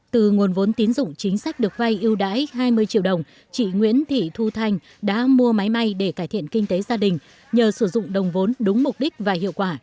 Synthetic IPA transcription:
t̪ɨ˨˩ŋu˨˩ənvo˨˦nt̪i˨˦ənzʊ̰˧˨ŋ͡mt͡ɕï˨˦ŋ̟sa˦˥k̟̚ɗɨ˨˩ək̚va˧jʔi˧əwɗa̰ː˧˥jɦaː˧jmɨ˧əjt͡ɕḭ˧˨əwɗə˨˩wŋ͡m | t͡ɕḭ˧˨ŋwḭ˧˥ənt̪ʰḭ˧˨t̪ʰu˧t̪ʰa˧jŋ̟ | ɗa̰ː˧˥mu˧əma˨˦jma˧jɗe˧˩kaː˧˩jt̪ʰḭ˧˨ənkï˧ŋ̟t̪e˨˦zaː˧ɗï˨˩ŋ̟ | ɲəː˨˩sɨ˧˩zʊ̰˧˨ŋ͡mɗə˨˩wŋ͡mvo˨˦nɗʊ˨˦ŋ͡mmʊ˨˩k͡p̚ɗï˦˥k̚vaː˨˩hḭ˧˨əwkwaː˧˩

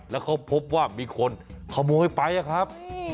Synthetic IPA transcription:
lɛː˦˥˩wkʰa˦˥wpʰo˦˥p̚waː˥˩miː˧kʰo˧nkʰa˧˩muː˧ha˥˩jpa˧jʔa˧˩kʰa˦˥p̚

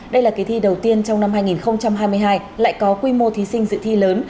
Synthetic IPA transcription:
ɗə˧jlaː˨˩ka˨˦jt̪ʰi˧ɗə˨˩wt̪i˧ənt͡ɕɔ˧wŋ͡mna˧mɦaː˧jŋi˨˩nxə˧wŋ͡mt͡ɕa˧mɦaː˧jmɨ˧əjɦaː˧jla̰ː˧˨jkɔ˨˦kwi˧mo˧t̪ʰi˨˦sï˧ŋ̟zɨ̰˧˥t̪ʰi˧ləː˨˦n

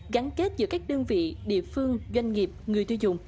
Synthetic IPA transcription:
ɣa˨˦nke˦˥t̚zɨ̰˨˧˦kaː˦˥k̚ɗəː˧əŋvḭ˧˨ɗḭ˧˨əfɨ˧əŋzwa˧jŋ̟ŋi˨˩əp̚ŋɨ˨˩əjt̪ʰi˧wzʊ̰˨˧˨ŋ͡m

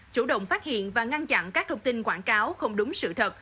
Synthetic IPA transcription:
t͡ɕu˧˩ɗə̰˧˨wŋ͡mfaː˦˥t̚hḭ˧˨ənvaː˨˩ŋa˧nt͡ɕa̰˧˨nkaː˦˥k̚t̪ʰə˧wŋ͡mt̪i˧nkwaː˧˩nkaː˨˦wxə˧wŋ͡mɗʊ˨˦ŋ͡msɨ̰˧˨t̪ʰə˨˩t̚

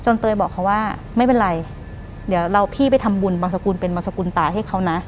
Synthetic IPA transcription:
t͡ɕo˧nt̪ɤː˧jbɔː˨˩k̚ʰːa˦˥waː˥˩ma˥˩jpe˧nɾa˧j | d̪i˩˦əwɾa˧wpʰiː˥˩p̬a˧jt̪ʰa˧mbu˧nbaː˧ŋsa˧kuː˧npe˧nbaː˧ŋsa˧kuː˧nt̪aː˨˩ɦa˥˩jkʰa˦˥wna˦˥ʔ

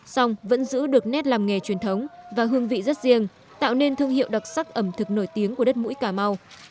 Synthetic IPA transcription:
sa˧wŋ͡mvə̰˧˥nzɨ̰˧˥ɗɨ˨˩ək̚nɛ˦˥t̚laː˨˩mŋe˨˩t͡ɕwi˨˩ənt̪ʰə˨˦wŋ͡mvaː˨˩ɦɨ˧əŋvḭ˧˨zə˦˥t̚zi˧əŋ | t̪a̰ː˧˨wne˧nt̪ʰɨ˧əŋhḭ˧˨əwɗa˨˩t̚sa˦˥k̚ʔə˧˩mt̪ʰɨ˨˩k̚no˧˩jt̪i˨˦əŋku˧˩əɗə˦˥t̚mṵ˧˥jkaː˧˩ma˧w

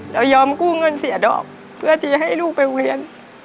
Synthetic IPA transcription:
ɾaː˨˧˥wjɔː˧mkuː˥˩ŋɤ˧nsi˩˦dɔ̰ː˨˩k̚ | pʰɯ˥˩ət͡ɕi˧˩ɦa˥˩jluː˥˩k̚pa˧li˧ən

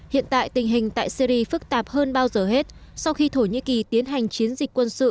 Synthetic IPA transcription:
hḭ˧˨ənt̪a̰ː˧˨jt̪ï˨˩ŋ̟ɦï˨˩ŋ̟t̪a̰ː˧˨jsi˧ɾi˧fɨ˦˥k̚t̪aː˨˩p̚həː˧nɓaː˧wzəː˨˩ɦe˦˥t̚sa˧wxi˧t̪ʰo˧˩ɲḭ˧˥ki˨˩t̪i˨˦ənɦa˨˩jŋ̟t͡ɕi˨˦ənzï˨˩k̟̚ʲkwə˧nsɨ̰˧˨

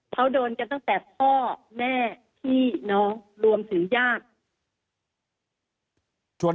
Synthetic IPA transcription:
kʰa˦˥wdoː˧nka˧t̪a˥˩ŋt̪ɛ˨˩pʰɔː˥˩mɛː˥˩t̪ʰiː˥˩nɔ˦˥ŋɾu˧əmt̪ʰɯ˨˩˦ŋjaː˥˩k̚ | t͡ɕʰu˧˩ə

